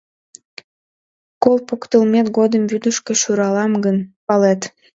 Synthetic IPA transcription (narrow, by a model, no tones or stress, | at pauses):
kolˠpokt̪əlmet̪ɡod̪əmbyd̪əʃkeʃuɾɑlɑmɡənpɑlet̪